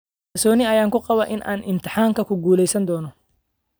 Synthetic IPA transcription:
ɐrsɔːnɪɐjaːŋkʊqɑβɐʔɪnʔa̰ːnɪmt̪ʰɪħaːŋkʰɐkʰʊɡuːlɛjsɐnd̪ɔːnɔ

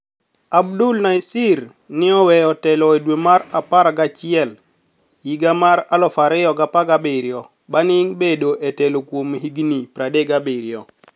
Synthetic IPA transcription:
abdulnaisiɾ | nɪɔwɛɔtɛlɔedwemaɾapaɾaɡat͡ʃɪɛl | jiɡamaɾalɔfaɾɪjɔɡapaɡabeɾjɔ | banɪŋbedoʔɛtɛlokwomɦiɡnipɾadeɡabeɾjɔ

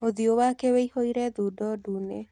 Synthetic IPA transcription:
oðiowakeweihoiɾɛðudɔdune

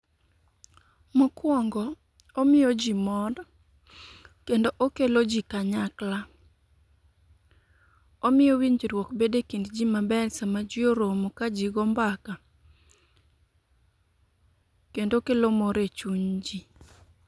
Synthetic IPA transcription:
mɔkwɔŋɡɔ | omɪjɔd͡ʒimɔd | kendoʔokelod͡ʒikaɲakla | omɪjɔwiɲd͡ʒiɾwɔkbedekindd͡ʒimabɛlsamad͡ʒɪoɾomokad͡ʒiɡɔmbaka | kendokelomɔɾet͡ʃuɲd͡ʒi

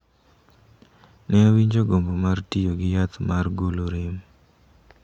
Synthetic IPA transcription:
nɛwiɲd͡ʒoɡombomartijoɡɪjat̪marɡoloɾɪm

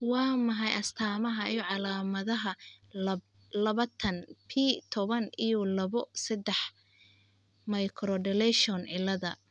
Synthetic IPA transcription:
wɑːmɐɦɑjʔɐst̪ʰaːmɐɦɐijɔʕɑlaːmɐðɐɦɐ | lɐβɐt̪ʰɐnpʰit̪ʰɔβɐnijɔlɐβɔsɐd̪ɛħ | mɐjkʰɾɔɖɛlɛʃɔnɪlːɐðɐ̰

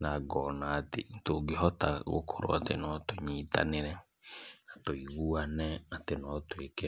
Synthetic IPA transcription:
naɡɔnaːtḛtoɡeɦɔtaɣo̰kʰoɾo̰atḛnɔtoɲiːta̰neɾɛ | atoiɣuanɛatenɔtwekɛ

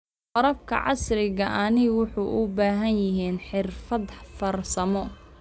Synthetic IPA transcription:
qɔɾɐb̚kʰɐ̰ʕɑ̰srɪɣɐʔanɪwʊħuʔʊbaːɦɐnjɪɦiːnħɪrfɐd̪fɐrsɐmɔ

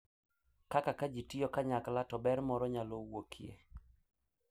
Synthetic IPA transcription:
kakakad͡ʒitijɔkaɲaklatɔbɛɾmɔɾɔɲalowokʰijḛ

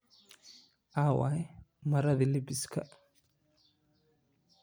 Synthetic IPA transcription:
ʔaːwa̰ɛmɐɾɐðilɪbɪskʰɐ̰

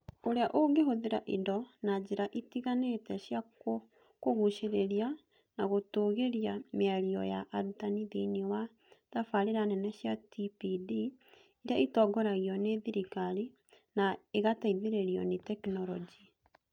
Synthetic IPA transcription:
oɾeaʔoɡeɦoðeɾaʔindɔnad͡ʒeɾaʔitiɣanetɛɕja | koɣuʃeɾeɾia | naɣotoːɣeɾiameaɾiɔjaʔaɾutaniðiniwa | ðafaɾeɾanɛnɛɕjatipidi | iɾeaitɔːɡɔɾaɣiɔneðiɾikaɾi | naeɣataiðeɾeɾiɔ̰netɛknɔɾɔd͡ʒi

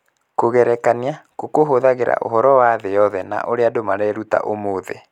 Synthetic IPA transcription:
koɣɛɾɛkaneakokoɦoðaɣeɾa̰ʔo̰ɦɔɾɔwaːðejɔðɛna̰ʔoɾeadomaɾɛɾuta̰ʔomoðḛ

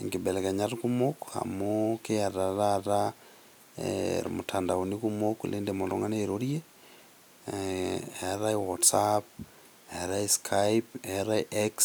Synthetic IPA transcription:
ŋɡibɛlekaɲaɾkumokha̰mokejaɾaɾaɾa | ḛɾ̰mutʰandaonikumoklendemolo̰ŋaneɾoɾje | eɾaiwɔtsap̚ | eɾaiskʰaipeɾaiʔeks

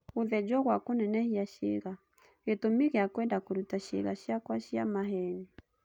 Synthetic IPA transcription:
oðɛd͡ʒɔɣwakonɛnɛhiaʃḛɣa | ɣetomiɣeakwɛndakoɾutaʃḛɣaʃjakwaʃjamaɦɛni

